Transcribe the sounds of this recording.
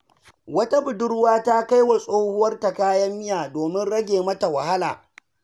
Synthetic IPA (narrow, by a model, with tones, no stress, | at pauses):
wɐ˦ta˦bʊ˨dʊ˦rwaː˦ta˦ka˦jwa˨sʼoː˦hʊ˦wɐ˦rta˨kaː˦jɐ˦mːɪ˦jaː˨doː˨mɪ˦nɽɐ˦ɡʲeː˨mɐ˦ta˨wɐ˨ha˦la̰ː˨